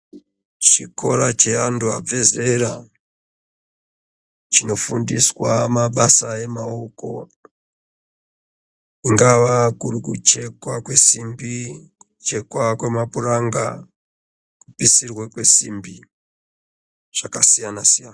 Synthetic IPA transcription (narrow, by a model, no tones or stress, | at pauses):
t͡ʃiko̞ɾat͡ʃe̞anduab͡ve̞ze̞ɾa | t͡ʃino̞fundiswamaɓasae̞maoko̞̰ | iŋɡaʋakurikut͡ʃe̞kwakwe̞simbiut͡ʃe̞kwakwe̞mapuraŋɡa | kupisirwekwe̞simbi | ʐ̥akasijanasijana